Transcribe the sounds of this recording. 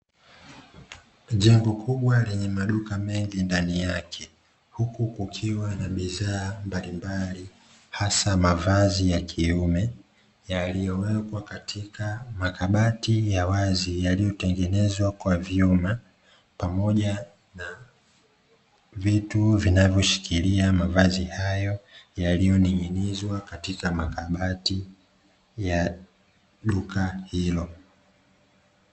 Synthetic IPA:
ʄaŋɡɔkʰuɓwalɛɲɛmaɗukamɛŋɡindanijakʰɛ | hukukukʰiwanaɓiðaːmbalimbali | hasamavazijakʰiumɛ | jalijɔwɛkwakatʰikamakaɓatijawazijalijɔtɛŋɡɛnɛzwakwavjuma | pamɔʄa | na | vituvinavjɔʃi̥kʰiliamavazihajɔjalijɔniŋinizwakatikamakaɓati | ja | ɗukahilɔ

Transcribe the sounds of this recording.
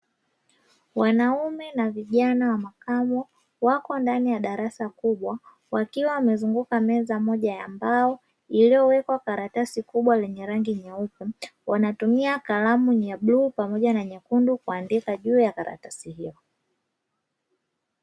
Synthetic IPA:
wanaumɛnaviʄanawamakamɔ | wakɔndanijaɗaɾasakuɓwa | wakiwawamɛzuŋɡukamɛzamɔʄajambaɔ | ilijɔwɛkwakaɾatasikuɓwalɛɲɛɾaŋɡiɲɛupuwanatumiakalamuɲaɓluːpamɔʄanaɲakundukuandikaʄuːjakaɾa̰tasihiɔ

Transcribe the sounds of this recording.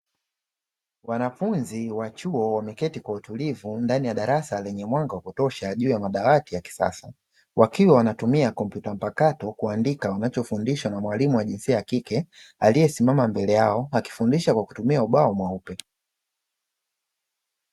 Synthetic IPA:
wanafunziwat͡ʃuɔwamɛkɛtikwautulivundanijaɗaɾasalɛɲɛmwaŋɡawakutɔʃaʄuːjamaɗawatijaki̥sa̰sa | wʔakiwawanatumiakɔm̩pjutam̩pakatɔkuandikawanat͡ʃɔfundiʃwanamwalimuwaʄinsiajakikɛalijɛsimamambɛlɛjaɔaki̥fundiʃakwaku̥tumiauɓaɔmwaupɛ

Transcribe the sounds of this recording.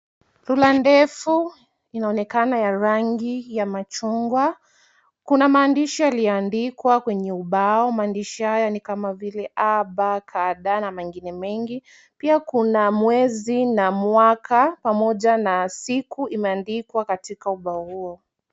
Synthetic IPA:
lulandɛfu | inaɔnɛkanajaɾaŋɡijamat͡ʃuŋɡwa | kunamaːndiʃijalijɔandikwakwɛɲɛuɓaɔmaːndiʃihajanikamavilɛʔaɓakʰaɗanamɛŋɡinɛmɛŋɡi | piakunamwɛzinamwakʰapamɔʄanasikuimɛandikwakatikauɓaɔhuɔ

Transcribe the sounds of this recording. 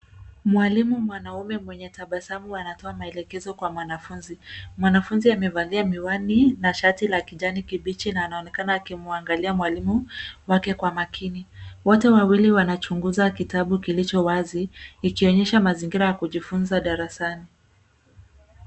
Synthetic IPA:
mwalimumwanaumɛmwɛɲɛtaɓasamuanatɔamaɛlɛkɛzɔkwamwanafunzimwanafunziamɛvaliamiwaninaʃatilakiʄanikiɓit͡ʃinaːnaɔnɛkanaːkimuaŋɡaliamwalimuwakɛkwamakʰiniwɔtɛwawiliwanat͡ʃuŋɡuzakitaɓukilit͡ʃɔwaziːkiɔɲɛʃamaziŋɡiɾajakuʄifunzaɗaɾasani

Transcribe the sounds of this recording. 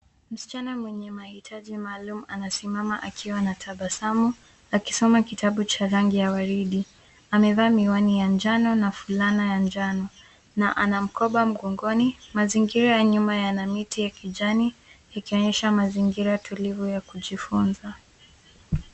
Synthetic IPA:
m̩si̥t͡ʃanamwɛɲɛmahitʰaʄimaːlumuanasimama̰ʔakʰiwanatʰaɓasamu | aki̥sɔmakitʰaɓut͡ʃaɾaŋɡijawaɾiɗi | amɛvaːmiwanijand͡ʒanɔnafulanajand͡ʒanɔ | naʔanam̩kɔɓam̩ɠɔŋɡɔnimaziŋɡiɾajaɲumajanamitijakiʄanijakiɔɲɛʃamaziŋɡiɾatʰulivujakuʄifunza

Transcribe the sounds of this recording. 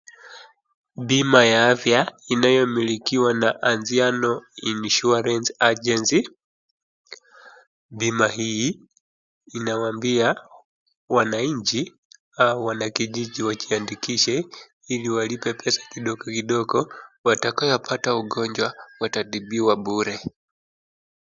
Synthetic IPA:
ɓimajaafjainajɔmilikiwanaʔanzianɔinʃuaɾɛnsad͡ʒɛnsi | ɓimaɦi | nawaambia | wanaiɲt͡ʃi | auwanakiʄiʄiwat͡ʃiandikiʃɛ | iliwalipɛpʰɛsḁkiɗɔɡɔkiɗɔɡɔwatakajɔpʰatauɡɔɲd͡ʒwawatatiɓiwaɓuɾɛ

